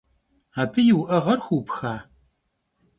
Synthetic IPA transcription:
aːpʰɨjɪwʔɐʁɐrxʷuːpxaː

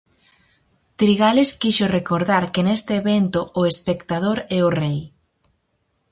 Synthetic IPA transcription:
t̪ɾiɣaleskiʃorekoɾðaɾkenest̪eːβent̪ʊːespekt̪að̞oɾɛʊrej

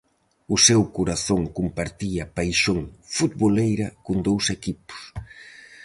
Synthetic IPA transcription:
ʊsewkoɾaθoŋkumpaɾt̪iɐpajʃoŋfut̪̚βolejɾɐkond̪owsekipʊ̥s

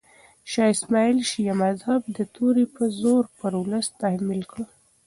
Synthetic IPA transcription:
ʃɑɪsmɑilʃijamazhab̚d̪ət̪ʰoɾipəzoɾpəɾwləst̪ahmilkɽə

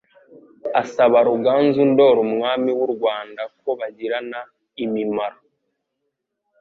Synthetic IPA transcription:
asaβaɾuɡaːnzundo̞ːɾumŋaːmiwuɾɡwaːndak̚o̞βaɟiɾana | imimaɾo

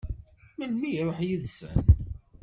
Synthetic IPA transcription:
mənmijɾˤoħjiðsə̰n

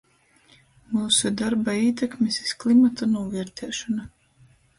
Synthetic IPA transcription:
muːsud̪aɾbaiːt̪ɛkmʲisi̥sklˠimat̪anuɔvɛɾt̪ʰɛːʃɔna

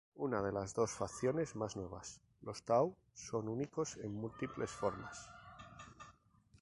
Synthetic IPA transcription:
unað̞e̞lazðo̞sfakθjo̞ne̞zmaznwe̞β̞as | lo̞st̪aw | so̞nuniko̞se̞ŋmult̪iple̞sfo̞ɾmas

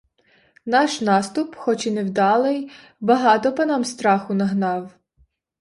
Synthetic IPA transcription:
nɑʃnɑst̪ʊpxɔt͡ʃinewd̪ɑlˠɪj | bɐɦɑt̪ɔpɐnɑmst̪ɾɑxʊnɐɦnɑw

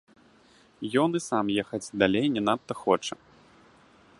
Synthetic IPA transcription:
jɔnɨsamjɛxɐt͡sʲd̪alʲejnʲɛnat̪ːɐxɔt͡ʂɐ

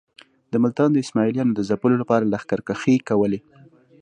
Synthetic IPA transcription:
d̪əmʊlt̪ɑnd̪əɪsmɑɪlijɑnod̪əzapəlolapɑɾalaxkaɾkaxekawəle

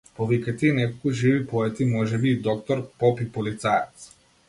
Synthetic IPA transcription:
pɔvikat̪ɛinɛkɔlˠkuʒivipɔɛt̪imɔʒɛbiːd̪ɔkt̪ɔɾpɔpipɔlit̪sajɛt̪s

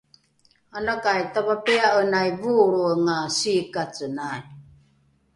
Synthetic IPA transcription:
anakajtavapiaənajvuɾuəŋasikat͡sənan

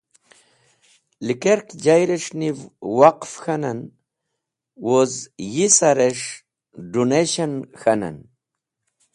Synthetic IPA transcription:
likeɾkd͡ʑajɾeʂnivwaqfxanan | wozjisaɾeʂ | ɖuneɕanxana̰n

